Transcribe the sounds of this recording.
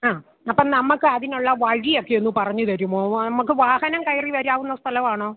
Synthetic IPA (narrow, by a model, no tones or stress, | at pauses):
aː | ɐpːɐːnɐmːɐkːɨɐðinuɭːɐʋɐɻijo̞kːejenːɨpɐrɐɲːut̪ɐɾumːoːnɐmɐk̬ːɨʋaːhɐnɐmkɐjriʋɐɾaːʋunːɐst̪ʰɐlɐʋaːɳoː